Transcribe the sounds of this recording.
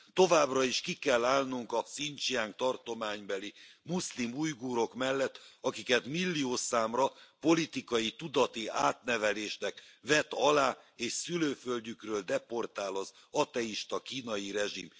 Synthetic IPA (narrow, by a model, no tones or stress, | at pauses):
t̪o̞vaːbrɒiʃkikɛlːaːlnuŋkɒsint͡ʃiaːŋk̚t̪ɒrt̪o̞maːɲbɛlimuslimujɡuːɾo̞kmɛlːɛt̪ːɒkikɛt̪milːioːsaːmrɒpo̞lit̪ikɒjit̪ud̪ɒt̪iʔaːt̪nɛvɛleːʃnɛkvɛt̪ɒlaːeːʃsyløːfølɟykrøːld̪ɛpo̞rt̪aːlɒz | ɒt̪ɛiʃt̪ɒkiːnɒjiɾɛʒḭm